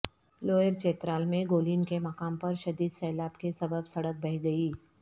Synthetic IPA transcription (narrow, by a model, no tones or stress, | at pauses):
loːjəɾt͡ʃeːt̪ɾaːlmẽɡoːliːnkemɐkaːmpɐɾʃɐd̪iːd̪sɛːlaːbkesɐbəbsɐɽək̚bɛɦɡɐiː